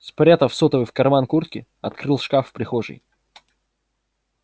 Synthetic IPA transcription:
spɾʲat̪əfsɔt̪əvɨfkɐrmankurt̪̚kʲɪ | ɐt̪̚kɾɨlˠʂkafpɾʲɪxoʐɨ̰j

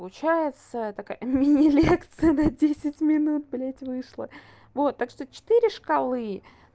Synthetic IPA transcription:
lˠʊt͡ɕæjɪt̪sət̪akajə̰mʲɪnʲɪlʲekt̪sɨjənɐdʲesʲɪtʲmʲɪnut̪̚blʲetʲvɨʂlˠə̰ | vo̞t̪ːakʂt̪ot͡ɕɪ̥t̪ɨɾʲɪʂkɐlˠɨ

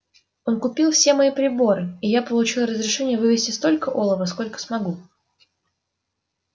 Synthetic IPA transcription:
o̞nkʊpʲilˠfsʲe̞mɐipɾʲɪbo̞ɾɨijapəlˠʊt͡ɕilˠrəzɾʲɪʂɛnʲɪjəvɨvʲɪsʲtʲɪst̪o̞lʲkəʔolˠəvəsko̞lʲkə̥smɐɡu

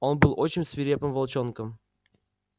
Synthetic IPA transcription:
onbɨlˠot͡ɕːɪnʲsvʲiɾʲepɘmvɐlˠt͡ɕonkəm

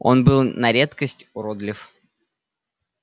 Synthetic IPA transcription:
o̞nbɨlˠnɐɾʲet̪kəsʲtʲʊɾod̪lʲɪf

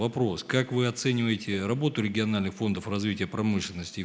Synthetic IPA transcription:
vɐpɾo̞skakvɨɐt̪sɛnʲɪvəjɪtʲɪrɐbo̞t̪ʊɾʲɪɡʲɪɐnalʲnɨxfo̞nd̪əfrɐzvʲitʲɪjəpɾɐmɨʂlʲɪnːəsʲtʲɪ

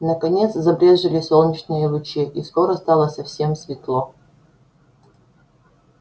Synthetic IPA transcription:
nəkɐnʲet̪szɐbɾʲeʐɨlʲɪsolˠnʲɪt͡ɕnɨjəvʊt͡ɕiʔiskoɾəst̪ɑlˠəsɐfsʲe̞msvʲɪt̪lˠo

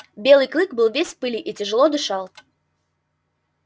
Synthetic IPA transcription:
bʲe̞lˠɨjklˠɨkbɨlˠvʲesʲpɨlʲɪʔitʲɪʐɨlˠod̪ɨʂɑlˠ

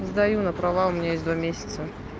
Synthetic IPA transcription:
zd̪ɐjunəpɾɐvaʊmʲnʲajesʲd̪vamʲesʲɪ̥t̪sə

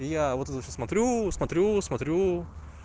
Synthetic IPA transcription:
jɛʋot̪t̪t͡ʃʲsmɐt̪ʲɾʲuːsmɐt̪ʲɾʲuːsmɐt̪ʲɾʲuː

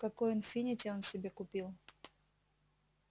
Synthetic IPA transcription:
kɐkojɪnfʲinʲɪtʲɛonsʲɪbʲekʊpʲilˠ

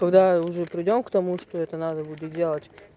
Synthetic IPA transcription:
kɐɡd̪aʊʐɛpɾʲɪdʲo̞mkt̪ɐmuʂt̪oɛt̪ənad̪əbudʲɪt̪̚dʲelˠətʲ

